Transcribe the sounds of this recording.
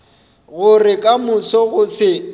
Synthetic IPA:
ɣʊrɪkʼamʊsɔɣʊsɪ

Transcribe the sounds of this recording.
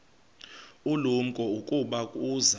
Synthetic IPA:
ulum̩kʼɔukʼuɓakʼuːza

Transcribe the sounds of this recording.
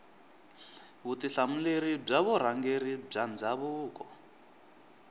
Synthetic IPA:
βutiɬamuleɾib͡ʐaβɔɾaŋɡerib͡ʐand͡zaβuːkɔ

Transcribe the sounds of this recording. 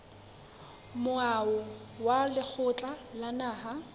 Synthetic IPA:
mʊaʊwalɪk͡xʰʊt͡ɬʼalanaːɦa

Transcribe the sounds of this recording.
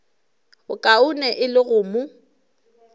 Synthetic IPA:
ʊkʼaʊnɛʔɪlɪɣʊːmʊ

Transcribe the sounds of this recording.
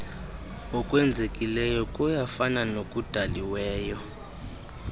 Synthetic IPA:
ɔkʼwɛnd͡zʱekʼilɛjɔkʼujafananokʼud̥ʱaliwɛːjɔ

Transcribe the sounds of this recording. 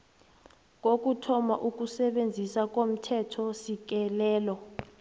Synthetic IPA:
k̬ok̬utʰɔmaʔuk̬usɛɓend͡zʱisak̬ʼom̩tʰɛtʰɔsik̬ɛlɛːlɔ

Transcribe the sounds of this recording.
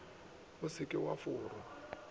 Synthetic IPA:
ʊsɪkʼɪwafʊːɾɔ

